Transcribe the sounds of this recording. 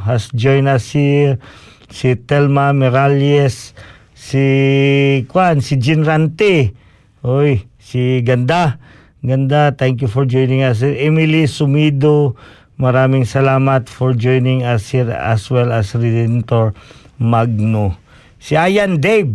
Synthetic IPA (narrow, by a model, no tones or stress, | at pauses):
hasd͡ʒojnasi | sit̪ɛlmamɛɾaljɛsː | i | kwansid͡ʒɪnɾant̪ɛ | ʔojsiɡɐnd̪a | ɡɐnd̪at̪ɛŋkjufɔɹd͡ʒojnɪ̃ŋas̬iɛmilisʊmid̪o | mɐɾaːmɪŋsɐlaːmɐt̪fɔɹd͡ʒojnɪŋashiɹɐ̰swɛlɐsɹɛd̪ɛnt̪oɹmaɡ̚no | siajand̪ejb̚